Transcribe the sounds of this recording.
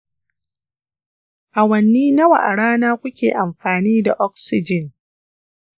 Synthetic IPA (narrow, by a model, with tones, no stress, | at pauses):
ʔa˨wɐ˨nːiː˦nɐ˦wa̰˨ʔa˨ɽaː˦naː˦kʷʊ˦kʲeː˨ʔa˨mɸaː˨niː˦da˨ʔɔ˦k̚sɪ˦d͡ʒɪ˨n